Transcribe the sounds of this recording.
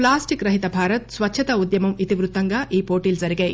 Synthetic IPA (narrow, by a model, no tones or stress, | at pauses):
plaːsʈikɾɐɦit̪ɐbʱaːɾɐt̪sʋɐtːʃʰɐt̪ɐud̪jɐmɐmit̪iʋɾut̪ːɐŋɡɐʔiːpoːʈiːlsɐɾiɡe